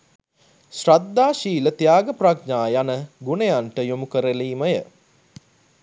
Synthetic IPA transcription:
srad̪ːaːʃiːlət̪jaːɡəprakɲaːjanəɡunejanʈəjomukəɾəliːməjə

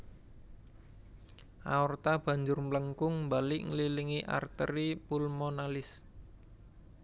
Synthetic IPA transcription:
ʔaɔrt̪ab̥ä̤ɲd͡ʒʊrmləŋkʊŋmbalɪʔŋəliliŋiʔa̰rt̪əɾipulmonalɪs

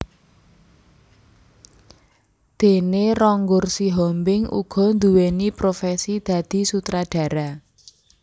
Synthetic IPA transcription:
d̪̥e̤nerɔŋɡʊrsiɦɔmbɪŋʔṵɡ̥ɔ̤nd̪uwenipɾofɛsid̪̥ä̤d̪̥i̤sut̪ɾaɖ̥ä̤ɾa

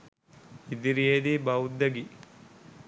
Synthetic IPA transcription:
id̪iɾeːd̪ibɐwud̪ɐɡi

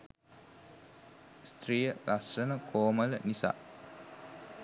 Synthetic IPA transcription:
st̪rijəɡasːənəkʰoːmələnisa̰ː

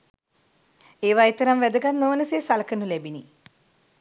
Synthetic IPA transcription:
eːʋaːet̪ɐɾamʋæd̪əɡat̪nːoːnəseːsaləkənulæbini

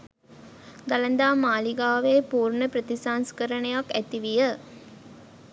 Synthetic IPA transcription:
d̪alənd̪aːmaːliɡaːʋeːpuːrnəpɾət̪isaːnskəɾənəjakæt̪iʋijə

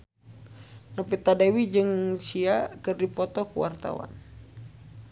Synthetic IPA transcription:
nəpit̪adewid͡ʒɨŋsiakɨrdipɔt̪ɔkṵwa̰rt̪a̰wa̰n

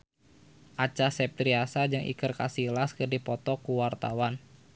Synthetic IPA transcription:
ʔat͡ʃasɛp̚t̪ɾiasad͡ʒɨŋʔḭkɨrkasilaskɨrdipɔt̪ɔkuwart̪awan

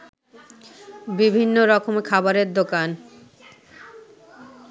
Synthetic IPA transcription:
bibʱinːoɾɔkʰomekʰabaɾeɾd̪okan

